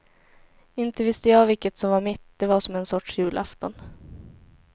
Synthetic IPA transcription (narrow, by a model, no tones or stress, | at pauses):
ɪnt̪əvɪst̪əjɑːvɪkːət̪sɔmvaɾmɪt̪d̪ɛvaʂɔmɛnsɔʈʂjʉ̟ːlʔa̰ft̪ɔn